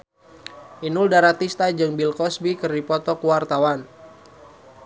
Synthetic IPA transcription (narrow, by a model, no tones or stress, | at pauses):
ʔinuldaɾat̪ist̪ad͡ʒɨŋbilkɔsbikɨrdipɔt̪ɔkuwart̪awan